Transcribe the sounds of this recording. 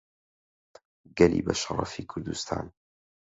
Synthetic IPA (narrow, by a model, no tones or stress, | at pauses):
ɡalḭːbaʃɑɾˤɑ̰fiːkʰʊɾd̪ʊst̪ʰa̰ːn